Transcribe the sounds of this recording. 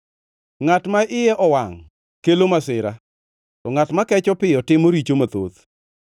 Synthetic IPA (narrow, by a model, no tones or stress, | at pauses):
ŋatmaʔɪjɛʔɔwaŋ | kelomasɪɾa̰ | tɔŋatmakɛt͡ʃɔpɪjɔtɪmoɾit͡ʃomat̪o̰t̪